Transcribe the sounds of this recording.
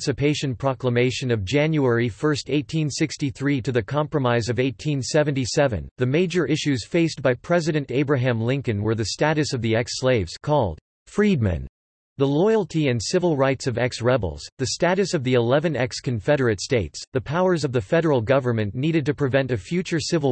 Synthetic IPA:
sɨpʰeɪʃɨ̃npʰɹ̥ɑkləmeɪʃɨ̃nʌvd͡ʒæ̃njuɛɹifɜ˞steɪtʰĩnsɪkstiθɹiɾɨðɨkʰɑ̃mpɹɨmaɪzʌveɪtʰĩnsɛvɨ̃n̩tisɛvɨ̰̃nðɨmeɪd͡ʒə˞ʔɪʃʉz̥feɪsb̥aɪpʰɹ̥ɛzɨɾɨ̃nteɪbɹɨɦæ̃mlɪ̃ŋkɨ̃nwə˞ðɨstæɾɨsʌvðiɛksleɪvz̥kʰɔlˠd̥̚ | fɹid̚mɨ̰̃n | ðəlɔɪl̩ˠtʰiɨ̃nsɪvl̩ˠɹaɪtsʌvɛksɹɛbl̩ˠz̥ðɨstæɾɨsʌvðiɨlɛvɨ̃nɛkskɨ̃ɱfɛɾə˞ɨtsteɪtsðɨpʰaʊə˞zʌvðɨfɛɾə˞l̩ˠɡʌvə˞mɨ̃nːiɾɨd̚tɨpʰɹ̥ɨvɛ̃ntɨfjʉt͡ʃə˞sɪvl̩

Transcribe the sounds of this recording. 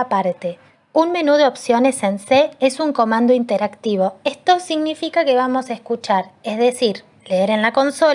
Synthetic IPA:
apaɾt̪e̞ | unme̞nuðe̞o̞psjo̞ne̞se̞nseesuŋko̞mãnd̪oint̪eɾakt̪iβ̞o̞est̪o̞siɣnifikake̞βamo̞saeskut͡ʃaɾezðesiɾ | leeɾenlako̞nso̞

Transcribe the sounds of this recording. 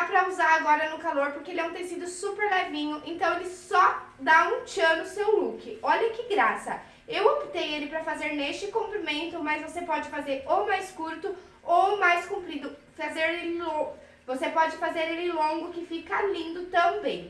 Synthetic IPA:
apɾɐuzaɾaɡɔɾɐnʊkaloɾpoɾkeelɪnɐ̃w̃t̪ej̃sid̪ʊsupeɾlaɾvĩɲʊʔẽnt̪ɐ̃w̃elɪsɔ | d̪aũt͡ʃɐnʊsewlukɪɔʎɐkɪɡɾasɐ | ewopt̪ejelɪpɾɐfazeɾnest͡ʃɪkõmpɾimẽnt̪ʊmɐzvosepɔd͡ʒɪfazeɾomajskuɾt̪ʊ | omajskũpɾid̪ʊ | fazeɾelɪlõʊ | vosepɔd͡ʒɪfazeɾelɪlõɡʊkɪfikɐlĩnd̪ʊt̪ɐ̃bẽj̃

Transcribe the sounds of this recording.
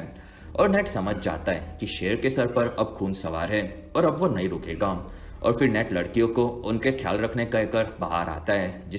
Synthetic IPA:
ɔ̰ːɾnɛːʈsɐməd͡ʒʱd͡ʒa̰ːt̪aɦɛkiʃeːɾkesɐɾpɐɾɐbxuːnsɐʋa̰ːɾɦɛː | ɔːɾɐbʋonɐĩɾoːkḛːɡaː | ɔ̰ːɾfɪɾnɛːʈlɐɽkijõkoʊnkexʰja̰ːlɾɐkʰnekɐekɐɾbɐɦa̰ːɾa̰ːt̪aɦɛːd͡ʒɪ

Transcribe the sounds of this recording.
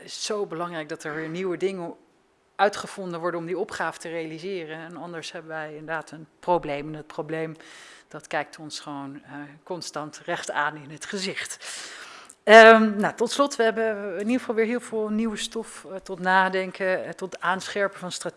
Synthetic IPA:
ɪssowbəlɑŋrɛjɡ̚dɑtɛɹʋɪːɹniwədɪŋən | œɥtχəv̥ɔndəʋɔɹdənɔmdiɔpχaːvə̥tərejalizɪːrənɛnɑndəɹsɦɛbəʋɛjɪndəɹdaːtənprowblejmɪnət̚prowblejmd̥ɑtkɛjk̚tɔnsχəʋownəkɔnstɑntrɛχtaːnɪnɦətχəzɪχt | ənatɔtslɔtʋəɦɛbəɪniəχəvɑlˠʋɪːɹɦɪːlˠvɪːlˠniwəstɔftɔtnaːdɛŋkətɔtaːnsχɛɹpəvɑnstra

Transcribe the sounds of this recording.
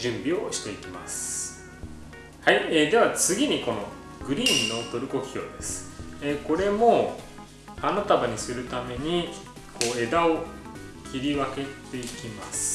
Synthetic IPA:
ʑɨ̃mbʲio̞ɕi̥t̪e̞ikʲima̰sɨ̥ | haied̪e̞β̞at͡sɨɡʲiɲ̟iko̞no̞ | ɡ̥ɯ̟ɾʲiːnːo̞t̪o̞ɾɯ̟ko̞kʲi̥çʲo̞̰ːd̪e̞sɨ̥eko̞ɾe̞mo̞ | anat̪abaɲ̟isɨɾɯ̟t̪ame̞ɲ̟i | ko̞e̞d̪ao | kʲiɾʲiβake̞t̪e̞ikʲimasɨ̥

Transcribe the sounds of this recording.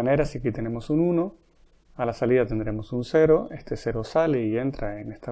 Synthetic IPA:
ane̞ɾasiakit̪e̞ne̞mo̞sununo̞ | alasaliðat̪end̪ɾe̞mo̞sunse̞ɾo̞e̞st̪e̞se̞ɾo̞sale̞ie̞nt̪ɾaenest̪a

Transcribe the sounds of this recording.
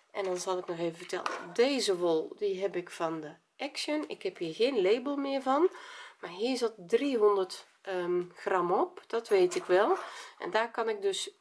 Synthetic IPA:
ʔɛndɔnzɑlˠɪknɔxeːvəvətɛ̰lˠə̰deːzəʋolˠdiɦɛpɪkfɑndə | ʔɛksjənɪ̰khɛphiːɹɣeːnleːbəlˠmɪːɹvɑnmaɹɦiːɹzɔt̚driɦɔndərt | xrɑmɔpd̥ɔtʋeːtɪkʋɛlˠʔɛ̰ndaːrkɑnɪk̚døs

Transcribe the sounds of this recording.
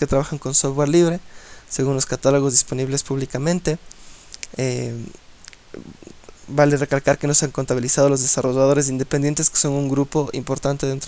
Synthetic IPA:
ket̪ɾaβaxaŋko̞nsofweɾliβɾe̞seɣunlo̞skat̪alo̞ɣo̞zðispo̞niβle̞spuβlikamẽ̞nt̪e̞ | e | balere̞kalkaɾke̞no̞seaŋko̞nt̪aβilisað̞o̞lo̞zðesaro̞ʝaðo̞ɾe̞s̬ind̪epe̞nd̪ent̪e̞ske̥so̞ŋuŋɡɾupo̞ʔḭmpo̞ɾt̪ant̪eðe̞nt̪ɾo

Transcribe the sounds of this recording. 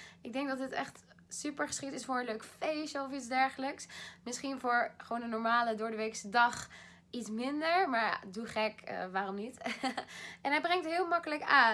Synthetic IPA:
ʔɪɡ̚dɛŋ̚dɑtɦətɛχt | sypəɹχə̥sχiktɪsfʊːɹəløɥkəfejʃəɔfitzdɛɹχələksmɪsχinvʊːɹχəʋoːwndənɔɹmaːlədʊːɹdəʋeksədɑχ | itsmɪndəɹmaːɹa̰duχɛkə̰ʋaːrɔmnit | ʔɛnɦɛjbrɛŋtəɦɪːlˠmɑkələkaː

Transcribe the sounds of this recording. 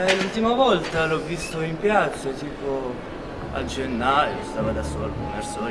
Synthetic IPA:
lult̪imavɔlt̪alɔvːist̪oimpjat̪sːat̪iːpo | a̰d͡ʒenːaːjost̪aːvad̪asɔalkumɛɾsɔ

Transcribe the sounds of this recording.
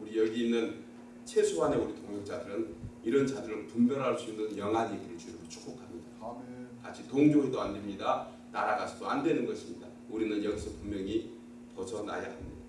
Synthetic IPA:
uɾijʌɡiːnːɯn | t͡ɕʰe̞sʰoane̞uɾitʰoŋjok̚t͡ɕ͈adɯɾɯniɾʌnt͡ɕadɯɾɯɭpumbjʌɾɦaɭs͈uinːɯnjʌŋɦaɲeɡiɾɯɭt͡ɕuɾimot͡ɕʰu̥k̚p͈okʰamɲidakaɕʰitoŋd͡ʑoɦedoandwe̞mɲida | naɾaɡasʰʌdoandwe̞nɯnɡʌɕʰimɲida | uɾinɯnjʌŋsʰʌpummjʌŋi | pʌsʰʌna̰ja̰ɦamɲida

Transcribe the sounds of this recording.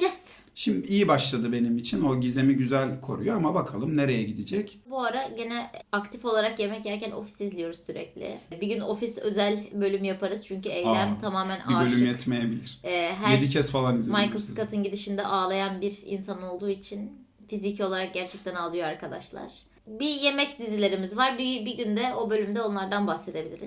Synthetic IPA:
d͡ʒɛst̪ | ʃimd̪iijibaʃlˠad̪ɯbe̞nimit͡ʃʰino̞ɟizemiɟyzælʲkʰo̞̰ɾujo̞amabakʰalˠɯmne̞ɾejɛɟid̪id͡ʒɛcbuaɾaɟenɛakt̪ʰifo̞lˠaɾakje̞mɛcjæɾcʰæno̞̰fi̥sizlijo̞ɾuz̥syɾɛ̰clʲɪ̰biɟyno̞fisø̞zælʲbø̞lʲymjapʰaɾɯz̥t͡ʃʰyɲcyejlæmt̪ʰamaːmænʔa̰bølʲymjɛt̪mejebilʲiɾ̥ɦæɾed̪icʰɛsfalˠanizʲmajkɾosu̥t̪kʰat̪ɯnɟid̪iʃind̪ɛ̰ʔaːlˠajanbiɾḭnsanɯnolˠd̪uːit͡ʃʰin | fizicʰo̞lˠaɾak̚ɟæɾt͡ʃʰɛc̚t̪ʰænalˠɯjoaɾkʰad̪a̰ʃlˠa̰ɾ̥ | bije̞mɛcd̪izilʲe̞ɾimizvaɾbibiɟynd̪ɛo̞bø̞lʲymd̪ɛo̞nlˠaɾd̪anbahse̞d̪e̞bilʲḭɾiz̥

